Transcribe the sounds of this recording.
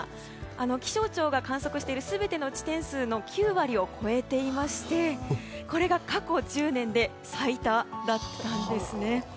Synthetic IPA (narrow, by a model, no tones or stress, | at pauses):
ano̞kʲi̥ɕo̞ːt͡ɕo̞ːɡakãɰ̃so̞kɯ̟ɕi̥t̪eiɾɯ̟sɨbe̞t̪e̞no̞ɯt͡ɕi̥t̪ẽ̞ɰ̃sɨːno̞kʲʰɨːβaɾʲio̞kʰo̞e̞t̪e̞imaɕi̥t̪e̞ko̞ɾe̞ɡakako̞ʑɨːnẽ̞nd̪e̞ | sait̪ad̪at̪ːãnd̪e̞sɨne̞